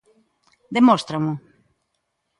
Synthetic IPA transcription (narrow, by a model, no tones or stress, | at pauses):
d̪emost̪ɾomʊ